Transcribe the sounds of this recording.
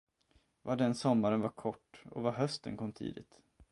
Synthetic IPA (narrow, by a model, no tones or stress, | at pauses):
vaɖɛnsɔmːaɾənvaɾkʰɔʈːɔ̰vaɦœst̪ə̰nkʰɔmːt̪ʰḭːd̪ɪt̪